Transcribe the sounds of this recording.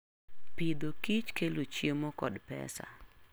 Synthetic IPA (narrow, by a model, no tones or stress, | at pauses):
pɪd̪okit͡ʃkelot͡ʃjemokɔdpɛ̰sa̰